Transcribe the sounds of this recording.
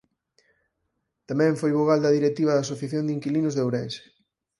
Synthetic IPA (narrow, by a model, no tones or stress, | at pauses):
t̪amɛ̃ɱfojβoɣald̪ɐðiɾek̚t̪iβɐðaːsoθjaθjond̪iŋkilinʊzðewɾɛnse̥